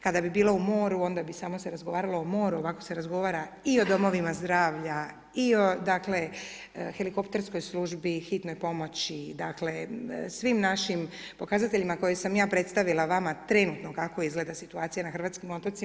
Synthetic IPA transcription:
kad̪abibiːlo̞umo̞ːɾuo̞nd̪abisaːmo̞seɾazɡo̞ʋaːɾalo̞omo̞ːɾuo̞ʋako̞se̞ɾazɡo̞ʋaːɾa | io̞d̪o̞mo̞ʋimazd̪ɾaːʋʎa | io̞d̪akle̞ | xe̞liko̞pt̪e̞ɾsko̞jslˠuʒbixit̪no̞jpo̞mo̞t͡ɕid̪akle̞sʋimnaʃimpo̞kazat̪e̞ʎimako̞jesamjaːpɾe̞t̪st̪aʋilaʋamat̪ɾenut̪nokako̞izɡle̞d̪asit̪uaːt̪sijanaxɾrʋaːt̪kimo̞t̪ot̪si

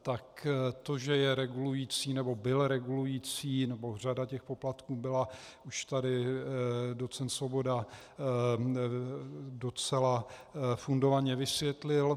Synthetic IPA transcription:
t̪akt̪o̞ʒɛjɛɾɛɡulujiːt͡siːnɛbo̞bɪlɾɛɡulujiːt͡siːnɛbo̞r̝adacɛxpoplat̪kuːbɪlauʃt̪adɪ | dot͡sɛnt̪svo̞bo̞da | dot͡sɛlafundo̞vaɲɛvɪsvjɛt̪lɪl

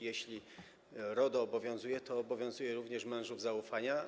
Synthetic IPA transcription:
jɛɕlʲi | ɾɔd̪ɔːbɔvʲjɔ̃zujɛt̪ɔːbɔvʲjɔ̃w̃zujɛɾuvɲɛʂmɛ̃w̃ʐuvzaufaɲa

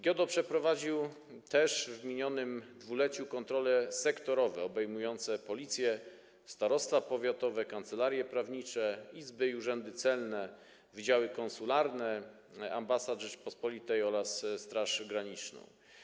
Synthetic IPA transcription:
ɡʲjɔd̪ɔpʂɛpɾɔvad͡ʑiw | t̪ɛʂvmʲiɲɔnɘmd̪vulɛt͡ɕukɔnt̪ɾɔlɛsɛkt̪ɔɾɔvɛɔbɛjmujɔnt̪sɛpɔlʲit̪sʲjɛ | st̪aɾɔst̪fapɔvʲjat̪ɔvɛkant̪sɛlaɾjɛpɾavɲit͡ʂɛizbɘiuʐɛnd̪ɘt̪sɛlnɛ | vid͡ʑawɘkɔnsulaɾnɛ | a̰mbasad̪ʐɘpɔspɔlʲit̪ɛjɔɾasst̪ɾaʂɡɾaɲit͡ʂnɔ̰̃w̃

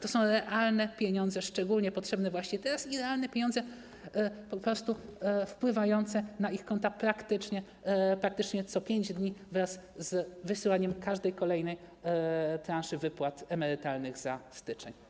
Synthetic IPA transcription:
t̪ɔsɔ̃w̃ɾɛʔalnɛpʲjeɲɔnd̪zɛʂt͡ʂɛɡulɲɛpɔtʂɛbnɛvwaɕɲɛt̪ɛɾasiɾɛalnɛpʲjeɲɔnd̪zɛ | pɔpɾɔst̪ufpwɘvajɔnt̪sɛnaixkɔnt̪apɾakt̪ɘt͡ʂɲɛ | pɾak̚t̪ɘt͡ʂɲɛt̪sɔpʲjeɲd͡ʑd̪ɲivɾaszvɘsɘwaɲɛmkaʐd̪ɛjkɔlɛjnɛj | t̪ɾanʂɘvɘpwat̪ɛmɛɾɘt̪alnɘɣzast̪ɘt͡ʂɛ̰ɲ

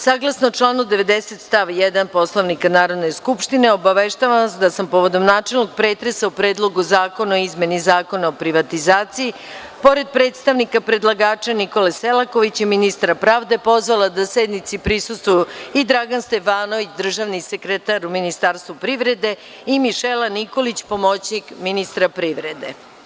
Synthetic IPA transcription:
saːɡlˠasnot͡ʃlˠaːnud̪eʋe̞d̪eset̪st̪aʋjɛd̪anpo̞slˠoʋnikanaːɾo̞d̪ne̞skupʃt̪ineo̞baʋeʃt̪aʋasd̪asampoʋod̪o̞mnaːt͡ʃe̞lˠnoɡ̚pɾeːt̪ɾesaupɾeːd̪lˠo̞ɡuzaːko̞naoizmʲe̞nizaːko̞naopɾiʋat̪izaːt̪sii | po̞ɾe̞d̪̚pɾet̪st̪aʋnikapɾe̞d̪lˠaɡaːt͡ʃaniko̞leselˠako̞ʋit͡ɕiminist̪ɾapɾaːʋd̪e̞po̞zʋalˠad̪ased̪nit̪sipɾisust̪ʋujuid̪ɾaɡanst̪e̞faːno̞ʋit͡ɕd̪r̩ʒaʋnise̞kɾet̪aɾuminist̪aːɾst̪ʋupɾiʋɾe̞d̪e̞ | imiʃelaniko̞lit͡ɕpo̞mot͡ɕnikminist̪ɾapɾiʋɾed̪e

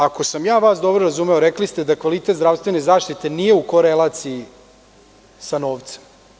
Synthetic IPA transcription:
ako̞samjaːʋaːsd̪o̞bɾoɾazuːmeoɾeklist̪ed̪akʋalit̪et̪zd̪ɾavst̪ʋe̞nezaːʃt̪it̪enije̞uko̞ɾelˠat̪sii | sanoːʋt̪se̥m

